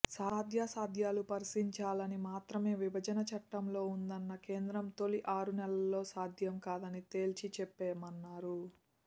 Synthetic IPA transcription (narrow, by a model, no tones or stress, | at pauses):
saːd̪ʱjaːsaːd̪ʱjaːlupɐɾɐsiɲt͡ʃaːlɐnimaːt̪ɾɐme̞ːʋibʱɐd͡ʒɐnɐt͡ʃɐʈːɐmlo̞ːund̪ɐnːɐke̞ːnd̪ɾɐmt̪o̞liʔaːɾunɛlɐlːo̞ːsaːd̪ʱjɐmkaːd̪ɐnit̪e̞ːlt͡ʃit͡ʃɛpːeːmɐnːaːɾu